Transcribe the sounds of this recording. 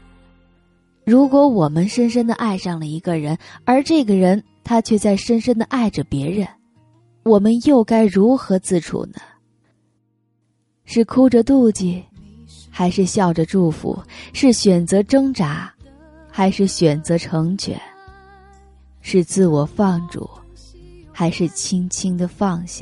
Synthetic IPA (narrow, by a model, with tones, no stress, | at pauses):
ɻu˧˥kwɔ˧˥wɔ˨˩mə˦nʂə˥nʂ̬ə˥nd̪ə˨ʔa˥˧ɪʂɑ˥˩ŋlə˩i˧˥ɡə˧˩ɻə˧˥nə˞˧˥ʈ͡ʂɤ˥˩ɡə˩ɻə˧˥n | t̪ʰa˥t͡ɕʰɥɛ˥˧t͡sa˥˩ɪʂə˥nʂə˥nd̪ə˨ʔa˥˩ɪʈ͡ʂə˩pjɛ˧˥ɻə˧˥n | wɔ˨˩mə˦njo˥˩ʊka˥ɪɻu˧˥xɤ˧˥t͡sɹ̩˥˩ʈ͡ʂʰṵ˨˩nə˦ | ʂɻ̩˥˩kʰu˥ʈ͡ʂə˧t̪u˥˧t͡ɕi˥˩ | xa˧˥ɪʂɻ̩˥˧ɕjɑ˥˩ʊʈ͡ʂə˩ʈ͡ʂu˥˩fṵ˧˥˦ʂɻ̩˥˩ɕɥɛ˨˩nt͡sɤ˧˥ʈ͡ʂɤ˥ŋʈ͡ʂa˧˥ | xa˧˥ɪʂɻ̩˥˩ɕɥɛ˨˩nt͡sɤ˧˥ʈ͡ʂʰɤ˧˥ŋt͡ɕʰɥɛ̰˨˩˦n | ʂɻ̩˥˧t͡sɹ̩˥˩wɔ˨˩fɑ˥˩ŋʈ͡ʂṵ˨˩˦ | xa˧˥ɪʂɻ̩˥˩t͡ɕʰi˥ŋt͡ɕʰi˥ŋd̪ə˨fɑ˥˧ŋɕjɑ˥˩ŋ